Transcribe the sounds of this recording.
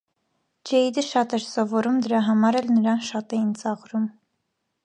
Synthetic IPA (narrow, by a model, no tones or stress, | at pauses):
d͡ʒɛid̪əʃɑt̪ɛɾsɔvɔɾumd̪əɾɑɦɑmɑɾɛlnəɾɑnʃɑt̪ɛjint͡sɑʁɾum